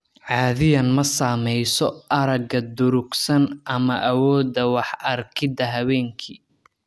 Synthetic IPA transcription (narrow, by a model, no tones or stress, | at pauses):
ʕɑːðɪjɐnmɐsaːmɛjsɔʔɐɾɐɡɐd̪ʊɾʊɡsɐnʔɐmɐʔɐwɔːd̪ɐwɑħɐrkʰɪd̪ɐɦɐβɛːŋkʰiː